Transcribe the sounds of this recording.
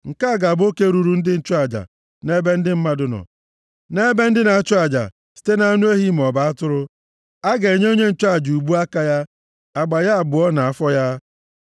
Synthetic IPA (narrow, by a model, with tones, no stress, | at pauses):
ŋ̩˨ka˦a˦˨ɡa˨bo˦ke˦ɾu˨ɾu˨n̩˦dɪ˦n̩˦t͡ʃʊ˦a˨d͡ʒa̰˨ | ne˦be˦n̩˦dɪ˦m̩˦ma˦dʊ˦nɔ̰˨ | ne˦be˦n̩˦dɪ˦na˨t͡ʃʊ˦a˨d͡ʒa̰˨ | si̥˦te˦na˨˦nu˦e˦ɦi˦m̩˨ɔ˨ba˦a˦tʊ˦ɾʊ˦ | a˦ɡe˨ɲe˦o˦ɲe˦n̩˦t͡ʃʊ˦a˨d͡ʒu˨bu˦a˦ka˦ja˦ | a˨ɡ͡ba˨ja˦a˨bʊ˨˦ɔ˦na˨a˨fɔ˦ja˦